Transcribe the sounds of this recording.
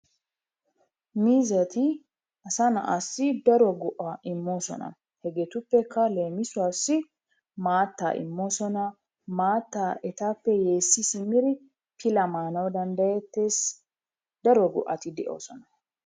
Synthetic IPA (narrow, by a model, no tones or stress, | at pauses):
miːzɐt̪ɪ | ɐsɐnɐ̰ʔɐsːɪd̪ɐɾɔɡʊʔɐɪmːo̞ːsɔ̰nɐ̰ | hɛɡɛt̪ʊpːɛkːɐle̞ːmɪsʊasːɪ | maːt̪ːa̰ːʔɪ̰mːo̞ːsɔnɐ | maːt̪ːaːʔɛt̪aːpːɛje̞ːsːɪsɪmɪɾɪ | pʰɪlɐmaːnɐwd̪ɐnd̪ɐjɛt̪ːe̞ːs | d̪ɐɾɔɡʊ̰ʔɐt̪ɪd̪ɛʔo̰ːsɔnɐ